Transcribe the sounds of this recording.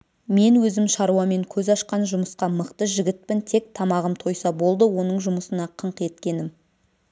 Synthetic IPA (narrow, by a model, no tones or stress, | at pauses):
me̞nwɵzɪmʃɑɾuwɑme̞ŋkʲʰɵzɑʃqɑnʒʊməsqɑməqt̪əʒɪɡʲɪt̪̚pɪnt̪ʰe̞k̚t̪ʰɑmɑʁəmt̪ʰo̞jsɑbo̞lˠd̪əwo̞nəɴʒʊməsənɑqʰəɴqe̞t̪kʲe̞nɪm